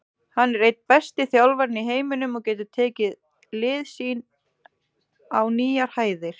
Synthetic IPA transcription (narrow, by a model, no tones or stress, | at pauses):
hanːɛɾrejt̪̚pɛst̪ɪθjawlvaɾniɦeːjmɪnʏmɔɣcɛːt̪̬ʏt̪ʰɛːcɪð | lɪːðsiːn | awniːjaɾ̥haːjðɪɾ̥